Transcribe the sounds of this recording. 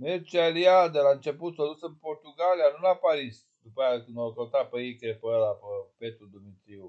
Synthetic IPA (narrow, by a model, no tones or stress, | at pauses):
mert͡ʃialiad̪elaɨnt͡ʃe̞put̪sod̪usɨnpo̞rt̪uɡalijanulapaɾis | d̪upəjakɨnd̪okot̪apeikepəlapəpe̞t̪ɾud̪umit̪ɾiu